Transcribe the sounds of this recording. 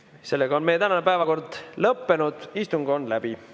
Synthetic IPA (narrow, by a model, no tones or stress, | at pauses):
se̞lːeɡɑonme̞jet̪ænɑnepæevɑko̞rd̪̥lɤpːe̞nud̪̥ist̪uŋɡ̥o̞nd̪læb̥i